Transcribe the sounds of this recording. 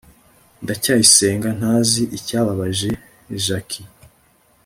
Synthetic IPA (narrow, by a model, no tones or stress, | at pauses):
ndacaːjise̞ːŋɡan̥haːziʔicaːβaβaʒe̞ | ʒakʰi